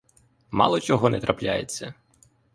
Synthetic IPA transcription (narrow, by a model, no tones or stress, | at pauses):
mɑ̰lˠɔt͡ʃɔɦɔnɛt̪ɾɐplʲajet͡sʲːɐ